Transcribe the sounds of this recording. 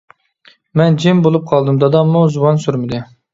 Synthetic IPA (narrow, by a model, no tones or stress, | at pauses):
mɛnd͡ʒimbolˠup̚qʰɑlˠd̪ɨmd̪ɑd̪ɑmːuzuwɑnsyɾmɪd̪ɪ